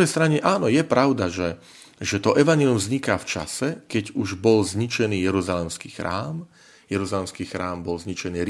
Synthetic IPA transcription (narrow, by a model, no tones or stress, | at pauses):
ɛjst̪ɾaɲɛʔaːnɔjɛpɾaʊd̪aʒɛ | ʒɛt̪ɔʔɛʋaɲɛlijumzɲikaːft͡ʃa̰sɛkɛɟuʒbɔlzɲit͡ʃɛniːjɛɾuzalɛmskiːxɾa̰ːm | jɛɾuzalɛmskiːxɾaːmbɔlzɲit͡ʃɛniːɾ